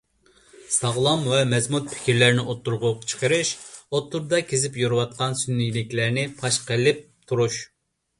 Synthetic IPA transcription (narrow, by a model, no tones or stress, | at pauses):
sɑʁlˠɑmwɛmɛzmut̪̚pʰɪ̥kʲʰiɾlæɾnɪʔot̪ʰːuɾʁʊqt͡ʃʰə̥qʰəɾɨʃot̪ʰːuɾd̪ɑkʲʰezɪpjoɾɨwɑt̪̚qʰɑnsynːijlɪkʲlæɾnɪpʰɑʃqəlɪp̚t̪ʰuɾuʃ